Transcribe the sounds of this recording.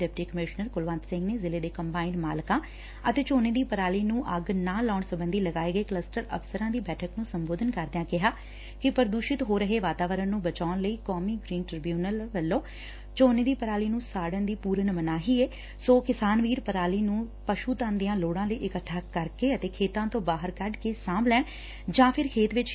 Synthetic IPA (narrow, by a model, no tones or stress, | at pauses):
ɛːp̚ʈiːkəmɪʃnəɾkʊlʋãnt̪sɪ̃ŋɡneːzɪleːd̪eːkəmpaːinmaːlkãː | ət̪eːt͡ʃoːneːd̪iːpəɾaːliːnũːʔəɡnãːlaːɳsəbənd̪iːləɡaːeːɡəeːkləsʈəɾə̰fsəɾãːd̪iːbɛːʈʰəknũːsəmboːd̪ʱənkəɾd̪jãːkɪɦaː | kɪpəɾd̪uːʃɪt̪ɦoːɾəɦeːʋaːt̪aːʋəɾənnũːbət͡ʃaːʊnləiːkɔːmiːɡɾiːnʈɾɪbjuːnəlʋəlːõː | t͡ʃoːneːd̪iːpəɾaːliːnũːsaːɽənd̪iːpuːɾənmənaːɦiːeː | soːkɪsaːnʋiːɾpəɾaːliːnũːpəʃuːt̪ãːnd̪ɪjãːloːɽãːləiːʔɪkəʈʰːaːkəɾkeːət̪eːkʰeːt̪ãːt̪õːbaːɦəɾkəɖkeːsãːmblɛːɳ | d͡ʒãːpʰɪɾkʰeːt̪ʋɪt͡ʃ